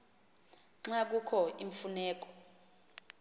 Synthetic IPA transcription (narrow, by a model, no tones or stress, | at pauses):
ŋ͡ǁak̬ukʰɔʔiɱfunɛːk̬ʼɔ̥